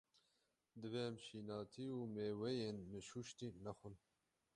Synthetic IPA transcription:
d̪əveːmʃiːnɑːt̪ʰiːuːmeːwejeːnmɨʃuʃt̪inɐxun

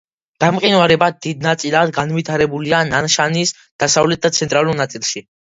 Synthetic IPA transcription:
d̪̥amqʼinvaɾɛbad̪id̪̚nat̪sʼilˠad̪ɡanvit̪ʰaɾɛbuliananʃanis | d̪̥asavlɛt̪̚d̪at̪sʰɛnt̪ʼɾalˠuɾnat̪sʼilˠʃi

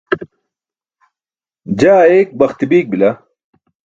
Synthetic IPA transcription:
d͡ʑaːeːk̚bɐxt̪ibiːk̚bila

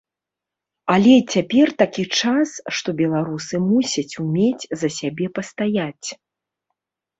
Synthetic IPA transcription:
ɐlʲɛt͡sʲapʲɛrt̪akʲit͡ʂasʂt̪ɔbʲɛlˠaɾusɨmusʲɐt͡sʲumʲet͡sʲzɐsʲabʲɛpɐst̪ajat͡sʲ

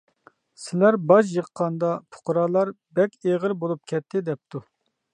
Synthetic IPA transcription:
sɪlæɾbɑʃ̬jəqːɑnd̪ɑpʰʊ̥qɾɑːlˠɑɾ | bɛkʲeʁəɾbolˠup̚kʲʰɛt̪ʰːɪd̪ɛp̚t̪ʰu

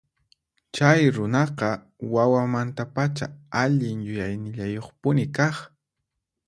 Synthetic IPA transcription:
t͡ʃajɾʊnɑqɑ | wawamant̪apat͡ʃa̰aʎɪŋjʊjajnɪʎajoχpʊnɪkɑχ

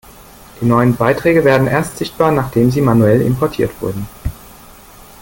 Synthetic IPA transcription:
d̥iːnɔʏənbaɪtʁ̥ɛːɡəveːɐdn̩ʔeːɐstz̥ɪçt̚b̥aːɐnaːχd̥eːmziːmanuɛlɪ̰mpʰɔɐtʰiːɐtv̥ʊ̰ɐdn̩

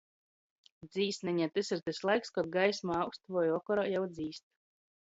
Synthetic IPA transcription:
d̪ziːst̪nɛɲɛt̪esiɾt̪ɛslˠajkskɔd̪̚ɡajsmaawkst̪vɔjɔkɔɾajawd̪ziːst̪̚

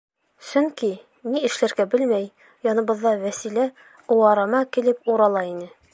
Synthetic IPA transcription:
sɵŋki | niɘ̆ʃlæɾɡæbɘlmæj | jɒnɤ̆bɤ̆ðːɑwæsilæ | uwɑɾɑmɑkilɘpuɾɑlˠɑinɘ

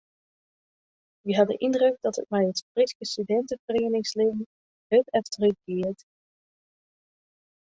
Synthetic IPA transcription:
ʋiɦɑdə̰ʔɪndrɵɡ̚d̥ɑtə̰t̚mɛjətb̥ritkəstydɛntəvəreːnɪŋsleːvən | ɦøpɛftərəxɡ̥ɪəɹt

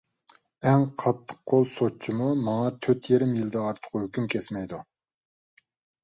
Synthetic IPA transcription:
ɛŋqʰɑt̪ʰːə̥qqʰːolˠsot͡ʃʰimumɑŋɑt̪ʰøt̪jeɾɪmjild̪ɛːɾt̪ʰə̥qʰʊhøkʲymkʲʰɛsmɛjd̪u

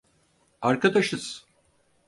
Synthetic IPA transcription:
aɾkad̪aʃɯz̥

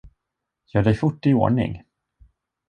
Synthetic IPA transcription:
jœːɖɛjfʊʈːɪo̰ːɳɪ̰ŋ

